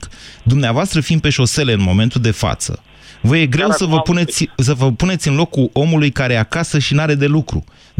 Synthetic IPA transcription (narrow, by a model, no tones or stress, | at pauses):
d̪umneavoast̪ɾəfimpe̞ʃo̞se̞le̞ɨnmo̞me̞nt̪uld̪e̞fa̰t̪sə̰ | vəje̞ɡɾe̞wsəvəpune̞t̪sʲs̬əvəpune̞t̪sʲɨnlo̞kuʔo̞mulujkaɾeakasəʃinaɾe̞d̪e̞lukɾṵ